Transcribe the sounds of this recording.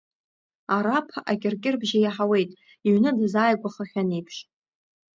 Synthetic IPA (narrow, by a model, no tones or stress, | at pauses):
aɾapʰaʔakʲʼɪrkʲʼɪrbʒajaħawe̞jtʼ | iɥnɨdɨzaːjɡʷaχaχʲanijpʰʂ